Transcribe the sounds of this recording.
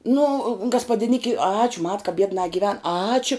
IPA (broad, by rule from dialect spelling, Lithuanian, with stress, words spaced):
nʊ ɡɐspɐdʲɪˈnʲɪkʲɪ ˈɑːt͡ʃʲʊ mɐt kɐ ˈbʲiɛdnɑː ɡʲɪˈʋʲɛn ˈɑːt͡ʃʲʊ